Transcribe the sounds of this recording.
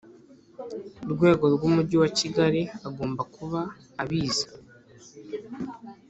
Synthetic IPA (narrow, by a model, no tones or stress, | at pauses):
uɾɡwe̞ːɡo̞ɾɡwumuɟiwaciɡaɾiaɡo̞ːmbakuβaː | βiːzḁ